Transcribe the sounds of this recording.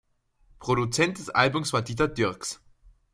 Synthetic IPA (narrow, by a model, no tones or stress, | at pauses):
pʁ̥oɾut͡sɛnt̚d̥ɛsʔa̰lbʊmsv̥aːɐdiːt̬ɐdʏɐks